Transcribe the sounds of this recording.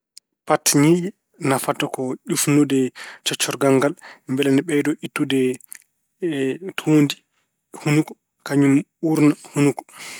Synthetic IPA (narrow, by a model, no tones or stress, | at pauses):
patɲiʔɛ | nafatɔkɔʄufnudɛt͡ʃɔt͡ʃːɔɾɡaŋɡalmbɛlanɛɓɛjdɔʔitːudɛ | tʰuːndi | hunukɔ̥ | kaɲumuɾnahunukɔ̥